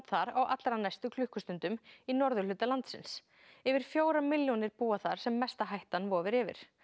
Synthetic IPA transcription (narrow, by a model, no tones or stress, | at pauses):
t̪θaɾawʔa̰t̪lɾanajst̪ʏkʰlʏhkʏst̪ʏnt̪ʏminɔɾðʏlʏːt̪alant̪sɪ̰ns | ɪvɪɾ̥fjoːwɾamɪljɔnɪɾpuːaθaɾ̥sɛmːɛst̪aɦajht̪anvɔːvɪɾɪːvɪ̰ɾ̥